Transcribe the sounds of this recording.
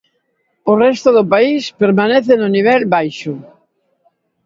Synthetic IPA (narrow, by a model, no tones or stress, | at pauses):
ʊrɛst̪ʊðʊpaispeɾmaneθenʊniβ̞ɛlbajʃʊ